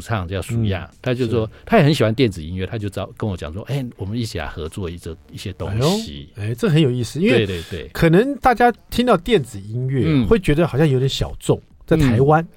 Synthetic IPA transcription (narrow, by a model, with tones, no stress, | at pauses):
u˨˩t͡sʰɑ˥˨ŋə˧jɑ˥˩ʂu˨˥˦jɑ̰˥˩t̪ʰa˥t͡ɕjo˥˧ʊwɔ˦t̪ʰa˥jɛ˨˩xə˧˦nɕi˨˩xwa˦nt̪jɛ˥˩nt͡sɹ̩˨˩i˦˥nɥɛ˥˨˩t̪ʰa˦t͡ɕjo˥˧ʊt͡sɑ˥˩ʊkə˧˦nwɔ˧˦t͡ɕjɑ̰˨˩ŋʂwɔ̰˦ʔe˥˩ɪwɔ˨˩mə˦ni˥˩t͡ɕʰi˨˩la̰˧˥ɪxɤ̰˧˥t͡swɔ˥˧i˥˩ɡə˨˩i˥˩ɕjɛ˦t̪ʊ̰˦ŋɕḭ˦e˥˩ʈ͡ʂə˥˩ə˩xə˧˦njo˨˩ʊi˥˧sɹ̩˥˨i˥nwe˥˧ɪt̪we˥˧˩t̪wḛ˥˩ɪkʰɤ˨˩nə˧˥ŋt̪a˥˩t͡ɕja˥t̪ʰi˥ŋt̪ɑ˥˧ʊt̪jɛ˥˩nt͡sɹ̩˨˩i˥nɥɛ˥˩xwe˥˩ɪt͡ɕɥɛ˧˥d̪ə˧xɑ˨˩ɕjɑ˥˧jo˧˥˩jɕjɑ̰˨˩ʊt͡sʊ˥˩ŋ | t͡sa˥˩ɪt̪ʰa˧˥ɪwa˦n